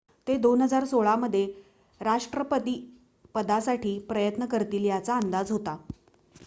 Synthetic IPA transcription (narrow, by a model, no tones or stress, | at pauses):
t̪ed̪onɦəd͡zaɾsoɭaməd̪ʱːje | ɾaʂʈɾəpət̪iː | pəd̪asaʈʰiːpɾəjət̪nəkəɾt̪iːljat͡saːnd̪ad͡zɦot̪a